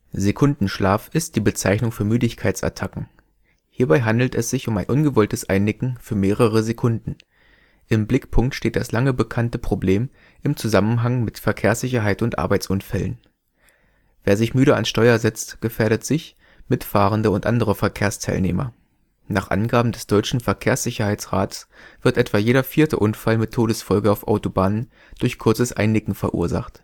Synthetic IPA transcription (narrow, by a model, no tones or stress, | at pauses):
zekʰʊndn̩ʃlaːfɪst̚d̥iːbət͡saɪçnʊŋfyːɐmyːdɪçkʰaɪt͡sʔa̰tʰakŋ̩ | hiːɐbaɪɦandl̩tɛsz̥ɪçʊmaɪnʔʊnɡəvɔltəsʔaɪnːɪkŋ̩fyːɐmeːʁ̞əʁ̞əzekʰʊndn̩ | ʔɪmblɪkpʰʊŋk̚tʃteːt̚d̥aslaŋəbəkʰantəpʁ̥obleːm | ʔɪmt͡suzamənɦaŋmɪtfɛɐkʰeːɐsz̥ɪçɐɦaɪtʊntʔa̰ɐbaɪt͡sʔʊnfɛlə̰n | veːɐzɪçmyːɾəa̰nsʃtɔʏɐzɛt͡stɡ̥əfeːɐɾətz̥ɪç | mɪtfaːʁəndəʊntʔandəʁ̞əfɛɐkʰeːɐstʰaɪlneːmɐ̰ | naːχʔa̰nɡaːbm̩dɛsd̥ɔʏt͡ʃn̩fɛɐkʰeːɐsz̥ɪçɐhaɪt͡sʁ̥aːtə̥sv̥ɪɐtʔɛtv̥aːjeːɾɐfiːɐtə̰ʔʊnfalmɪtʰːoːɾəsfɔlɡəaʊfʔa̰ʊtobaːnən | d̥ʊɐçkʰʊɐt͡səsʔa̰ɪnːɪkŋ̩fɛɐʔṵːɐza̰χt